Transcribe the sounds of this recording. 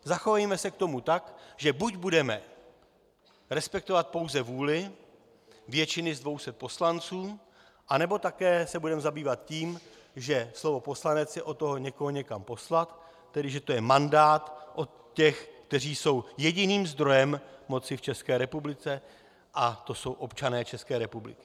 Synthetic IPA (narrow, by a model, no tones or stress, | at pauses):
zaxovajmɛsɛk̚t̪o̞mut̪akʒɛbuɟbudɛmɛ | ɾɛspɛk̚t̪o̞vat̪̚po̞wzɛvuːlɪ | vjɛt͡ʃɪnɪzdvo̞wsɛt̪̚po̞slant͡suː | ʔanɛbo̞t̪akɛːsɛbudɛmzabiːvat̪ciːmʒɛslo̞vo̞po̞slanɛt͡sjɛʔo̞t̪oɦoɲɛkoɦoɲɛkampo̞slat̪ː | ɛdɪʒɛt̪o̞jɛmandaːt̪ʔo̞t̪ | cɛxkt̪ɛr̝iːso̞wjɛɟɪniːmzd̪ɾo̞jɛmmo̞t͡sɪft͡ʃɛskɛːɾɛpublɪt͡sɛ | ʔat̪o̞so̞wʔo̞pt͡ʃanɛːt͡ʃɛskɛːɾɛpublɪ̰kɪ̥